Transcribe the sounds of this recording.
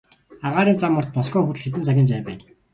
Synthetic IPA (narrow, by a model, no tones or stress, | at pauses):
aʁaːɾiːnt͡samːʊ̆rt̪̚pɔskɔːxur̆ɮxet̪̬ɘ̆nt͡sʰaɣʲiːnt͡sæːpæːn